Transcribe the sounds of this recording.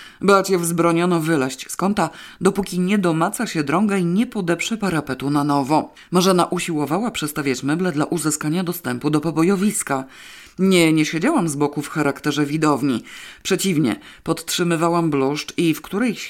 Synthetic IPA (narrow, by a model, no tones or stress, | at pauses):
blat͡ɕɛvzbɾɔɲɔnɔvɘlaɕt͡ɕskɔnt̪ad̪ɔpukʲiɲɛd̪ɔmat̪saɕɛd̪ɾɔŋɡaiɲɛpɔd̪ɛpʂɛpaɾapɛt̪unanɔvɔ | maʐɛnaʔuɕiwɔvawapʂɛt̪st̪avʲjat͡ɕmɛblɛd̪laʔuzɘskaɲad̪ɔst̪ɛmpud̪ɔpɔbɔjɔvʲiska | ɲɛɲɛɕɛd͡ʑawamzbɔkufxaɾakt̪ɛʐɛvʲid̪ɔvɲipʂɛt͡ɕivɲɛ̰pɔt̪tʂɘmɘvawambluʂt͡ʂifkt̪uɾɛj